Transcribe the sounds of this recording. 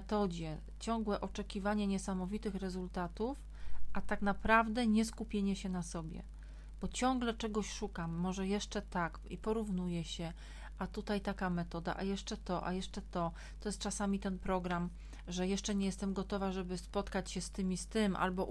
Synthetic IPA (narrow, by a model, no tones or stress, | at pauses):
ɛt̪ɔd͡ʑɛ | t͡ɕɔŋɡwɛʔɔt͡ʂɛkʲivaɲɛɲɛsamɔvʲit̪ɘxɾɛzult̪at̪uf | ʔat̪aknapɾavd̪ɛɲɛskupʲjeɲɛɕɛnasɔbʲjɛ̰ | b̥ɔt͡ɕɔŋɡlɛt͡ʂɛɡɔɕʂukamːɔʐɛjɛʂt͡ʂɛt̪ak | ipɔɾuvnujɛɕɛ | ʔat̪ut̪ajt̪akamɛt̪ɔd̪a̰ʔajɛʂt͡ʂɛt̪ɔʔa̰jɛʂt͡ʂɛt̪ɔ | t̪ɔjɛst̪t͡ʂasamʲit̪ɛnpɾɔɡɾam | ʐɛjɛʂt͡ʂɛɲɛjɛst̪ɛmɡɔt̪ɔvaʐɛbɘspɔt̪kat͡ɕɕɛst̪ɘmʲist̪ɘmʔa̰lbɔ